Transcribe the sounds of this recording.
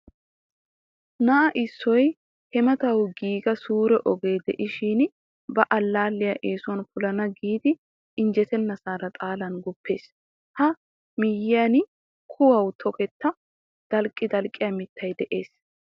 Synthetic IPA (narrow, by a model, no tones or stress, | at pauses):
naʔɐʔɪsːɔj | hɛmɐt̪ɐwɡiːɡɐsuːɾɛʔɔɡe̞ːd̪ɛʔɪʃiːn | bɐʔɐlːaːlːɪjɐʔeːsɔnfʊlɐnɐɡiːd̪ɪ | ɪnd͡ʒɛt̪ɛnːɐsaːɾɐt̪ʼaːlɐnɡʊpːe̞ːs | hɐ | mɪjɪan | kʰʊwɐwt̪ʰɔkɛt̪ːɐ | d̪̥ɐlkʼːɪd̪ɐlkʼːɪjɐmɪt̪ːɐjd̪ɛʔe̞ːs